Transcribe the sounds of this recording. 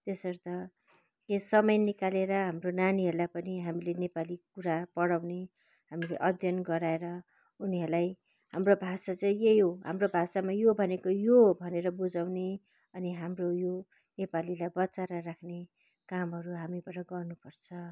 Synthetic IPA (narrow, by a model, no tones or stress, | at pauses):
t̪esʌɾt̪ʌ | kesʌmʌjnikaleɾʌɦamronaniɦʌrlapʌniɦamilenepalikuɾapʌɽawne | ɦamileʔʌd̪ʱjʌnɡʌɾaeɾʌ | uniɦʌrlaj | hamrobʱasat͡sʌj̃jejɦoɦa̰mrobʱasamajobʱʌnekojobʱʌneɾʌbud͡zawne | ʌniɦamrojo | nepalilajbʌt͡saɾʌrakʰne | kamɦʌɾuɦamibaʈʌɡʌrnupʌrt͡sʰʌ